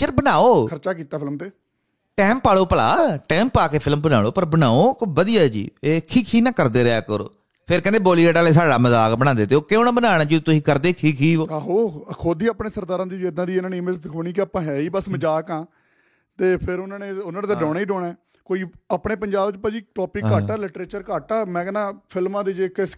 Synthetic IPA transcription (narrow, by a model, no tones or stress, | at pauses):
d͡ʒəɾbənaːoːkʰəɾt͡ʃaːkiːt̪aːpʰɪlmt̪eː | ʈɛ̃ːmpaːɭoːpəla̰ːʈɛ̃ːmpaːkeːpʰɪlmbəna̰ːɭoːpəɾbənaːoːkoʋəd̪ɪjaːd͡ʒḭːeːkʰiːkʰiːnãːkəɾd̪eːɾɪa̰ːkəɾo̰ː | pʰɪɾkɛ̃ːnd̪eːboːliːɛːʈaːleːs̬aːɖaːməzaːkbəɽ̃ãːnd̪eːt̪eːoːkeoːnãːbənaːɽ̃aːd͡ʒet̪ʊsĩːkəɾd̪eːkʰiːkʰɦiːoːɦoːkʰod̪iːaːpɳẽːsəɾd̪aːɾãːd̪id͡ʒɪd̪ãːd̪iːɪnaːniːmeːd͡ʒd̪ɪkʰoːniːkɪaːpãːɦɛːiːbəsməd͡ʒaːkãː | t̪eːpʰɪɾʊnãːneːʊnãːneːd̪aɖɔːnːiɖɔ̃ːɛː | koːiːaːpɳeːpəɲd͡ʒaːbt͡ʃpãd͡ʒiːʈɔːpiːkːaːaːlɪʈɾeːt͡ʃəɾkaːʈaːmɛ̃ːkɛnãːpʰɪlmãːd̪iːd͡ʒeːkɪs